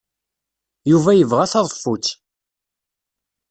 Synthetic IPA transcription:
juvæjəvʁæθɑðˤəfːut͡sː

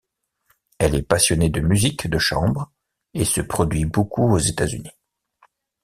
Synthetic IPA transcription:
ɛlɛpasjɔned̪əmyzikd̪əʃɑ̃bʁ | esəpχɔd̪ɥibokuozet̪azy̰ni

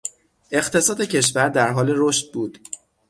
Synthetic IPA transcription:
e̞χt̪ʰe̞sɒːd̪ecʰe̞ʃ̬væɾd̪æɾɦɒːle̞ɾoːʃt̪̚buːd̪̥

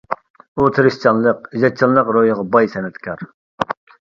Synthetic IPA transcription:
ut̪ʰɨɾɨst͡ʃʰɑnlˠəqiʒɑt͡ʃʰɑnlːˠəqɾojəʁɑbɑjsɛnɛt̪kʲʰɑɾ

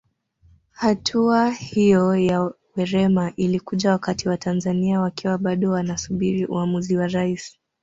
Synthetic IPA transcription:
hatʰuahijɔja | wɛɾɛmaʔilikuʄawakatiwatʰanzaniawakiwaɓaɗɔwanasuɓiɾiʔṵamuziwaɾais

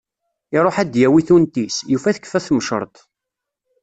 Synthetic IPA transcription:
ɪɾˤoħæd̪jæwiθunt̪isjufæθə̥kːfæθməʃə̰ɾˤt̪ˤ

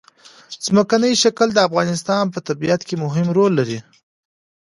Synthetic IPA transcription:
z̥məkanəjʃakəld̪əafɣɑnɪs̬t̪ɑnp̬ət̪abijat̪kemʊɦɪmɾolːaɾi

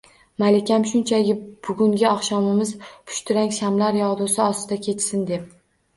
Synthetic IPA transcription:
malɪkʲamʃʊnt͡ʃʰaɡʲɪb̥ʊɡʊŋɡʲɪɒχʃɒmɪmɪzpʰʊ̥ʃt̪ʰʊɾaŋʲʃamlaɾjɒʁd̪ʊsɪɒst̪ɪd̪akʲʰe̞t͡ʃʰsɪnd̪e̞p̚

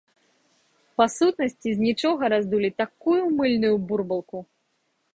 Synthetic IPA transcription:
pasut̪nɐsʲt͡sʲizʲnʲit͡ʂɔɣɐɾazd̪ulʲit̪akujumɨlʲnujuburbɐlˠku

